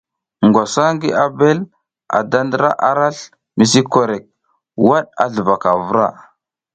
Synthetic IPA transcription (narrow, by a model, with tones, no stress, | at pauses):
ŋɡa˨sa˦ŋɡi˦ʔa˨be˦l | a̰˨da˦ndə˦ɾa̰˦ʔa˨ɾa˦ɬ | mi˨s̬i˦ko˨ɾe˨k̚ | wa˦ɗa̰˨ɮə˨va˨ka˨vu˦ɾa̰˦˨